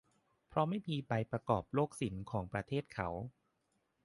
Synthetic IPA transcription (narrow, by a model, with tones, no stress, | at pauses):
pʰɾɔ˧˥ma˥˩jpʰiː˧pa˧jpɾa˧kɔː˨˩p̚loː˥˩k̚si˩˦nkʰɔː˩˦ŋpɾa˧t̪ʰeː˥˩t̪̚kʰa˦˥w